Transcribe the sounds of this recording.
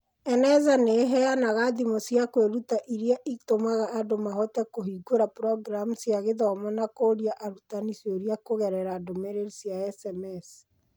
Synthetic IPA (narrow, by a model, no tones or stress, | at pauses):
ɛnɛzaneɦɛanaɣaðimosjakweɾutaʔiɾiaʔitomaɣaʔːdomaɦɔtɛkoɦiɡoɾapɾɔɡɾamusjaɣeðɔmanakoːɾiaʔaɾutanisjɔɾiakoɣɛɾɛɾaːdomeɾeɾisjaɛsɛmɛs